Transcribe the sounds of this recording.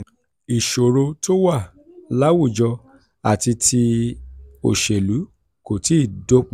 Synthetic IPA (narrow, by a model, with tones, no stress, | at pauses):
i˨ʃo˨ɾo˧to˦wa˦˨ | la˦wu˦˨d͡ʒɔ˧ | a˨ti˧tʰi˧ | o̰˨ʃe˨lu˨˦ | ko˨ti˦i˦˨do˦k͡p